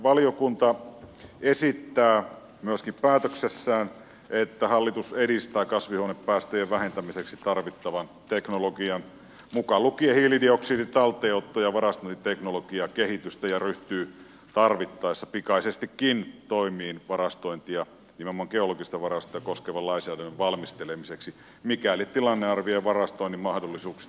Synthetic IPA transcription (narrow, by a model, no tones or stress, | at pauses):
ʋɑlijokunt̪ɑ | esit̪ːæː | myæskippæːt̪øksesːæːn | ʔet̪ːæhɑlːit̪useɾist̪æːkɑsʋihuoneppːæːst̪øjeʋʋæhent̪æmiseksit̪ɑrʋit̪ːɑʋɑnt̪eknoloɡiɑn | mukɑlukiehiːlidioksiːdit̪ɑlt̪ːˑeːot̪ːojɑʋɑrɑst̪oint̪it̪eknoloɡ̥iɑkehit̪yst̪æjɑryht̪yː | t̪ɑrʋit̪ːɑˑesːɑpikɑisest̪ikːint̪oˑimˑiːnʋɑrɑst̪oint̪ijɑ | niːmmːɑŋkeoloɡist̪ɑʋɑrɑst̪ˑojɑkoskeʋɑlɑˑinsæːdænːeʋʋɑlmist̪elemiseksi | mikælit̪t̪ilɑnːeɑrʋieʋɑrɑst̪oˑinːimɑhdolːisuːksi̥